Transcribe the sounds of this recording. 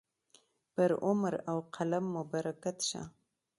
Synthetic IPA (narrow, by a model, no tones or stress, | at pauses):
b̥əɾʔʊmɾawqʰalamːubaɾʔakat̪ʃa̰